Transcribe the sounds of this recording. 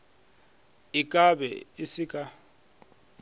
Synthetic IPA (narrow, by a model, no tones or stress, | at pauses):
ikʼabɛ̰isikʼa